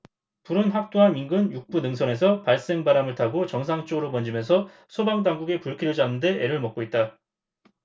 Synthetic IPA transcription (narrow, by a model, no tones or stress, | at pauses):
puɾɯnɸak̚t͈oɦanmiŋɡɯnjuk̚p͈unɯŋsʰʌne̞sʰʌpaɭs͈e̞ŋbaɾamɯɭtʰaɡot͡ɕʌŋsʰaŋt͡ɕ͈oɡɯɾopʌnd͡ʑimjʌnsʰʌ | sʰobaŋdaŋɡuɡepuɭkʰiɾjod͡ʑanːɯnde̞eɾɯɭmʌk͈̚oit̚t͈a